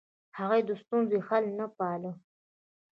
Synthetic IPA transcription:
haɣajd̪əst̪unzoxalnapɑlə

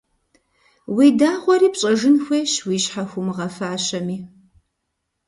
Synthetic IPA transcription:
widaːʁʷɔɾiːpɕʼɐʒɨnxʷeːɕwiːɕħaxʷʊmɨʁɐfaːɕɐmiː

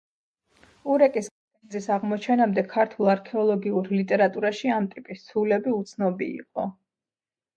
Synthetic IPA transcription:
uɾɛkʼiskʼapʼɛnzisaʁmɔt͡ʃʰɛnamd̪ɛkʰaɾt̪ʰulˠaɾkʰɛɔlˠɔɡiuɾlit̪ʼɛɾat̪ʼuɾaʃiamt̪ʼipʼist̪sʰulɛbiut̪sʰnɔbḭḭqʼɔ

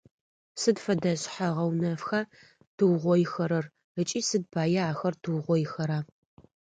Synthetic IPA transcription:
sɨdfɐdɐɕħaʁɐwnɐfxa | d̥ɨwʁʷɔjxɐɾɐr | ət͡ʃʼiːsɨd̚bʰaːjɐaːxɐrdʰɨwʁʷɔjxɐɾaː

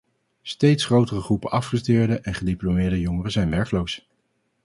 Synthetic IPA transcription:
stejtsχrowtərəχrupənɑfχəstɪːɹdəʔɛnχədiplomɪːɹdəjɔŋərəzɛjnʋɛɹklows

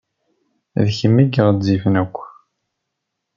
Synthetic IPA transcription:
ðçəmːiɡəʁzifnækʷː

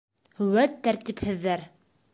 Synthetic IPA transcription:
hɵ̆wæt̪ːæɾt̪iphɘ̆ðːæɾ

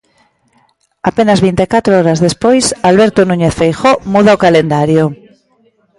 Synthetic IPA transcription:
apenazβint̪ekat̪ɾoɔɾazðespojsalβeɾt̪onũɲeθfejxomuð̞aokalend̪aɾjo

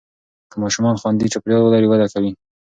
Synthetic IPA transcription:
kəmɑʃumɑnxwand̪it͡ʃapɾjɑolɑɾewad̪akawi

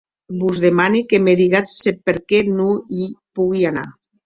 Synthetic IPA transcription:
buzðemanikemeðiɣat͡sːepeɾkɛnuipuɣiana̰

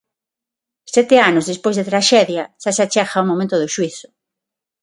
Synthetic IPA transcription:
sɛt̪eanozðespojzðet̪ɾaʃɛðjɐsasat͡ʃaxaumomẽnt̪ʊðʊʃwiθʊ̥

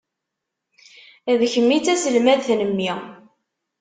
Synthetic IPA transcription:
ðçəmːit͡sːæsəlmæðθnəmːi

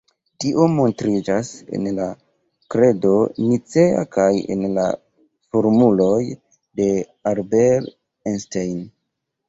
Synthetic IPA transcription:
tiʔo̞mo̞ntɾid͡ʒase̞̰nla | kɾe̞do̞nit͡se̞a̰kajḛnla̰ | foɾmulo̞j | de̞ | aɾbel | enstejn

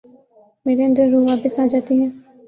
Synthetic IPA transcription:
meːɾeənd̪əɾːũːʋaːpəsaːd͡ʒaːt̪iɦɛ̃ː

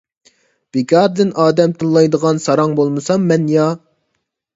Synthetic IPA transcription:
b̥ekʲʰɑɾd̪ɨnʔɑːd̪ɛmt̪ʰɨlːˠɑjd̪əʁɑnsɑɾɑŋbolˠmɨsɑmːɛnjɑ

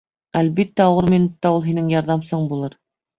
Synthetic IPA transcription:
ælβit̪ːæuwɤɾminut̪ːɑulˠɦinɘŋjɑɾðɑmsoɴbulˠɤɾ

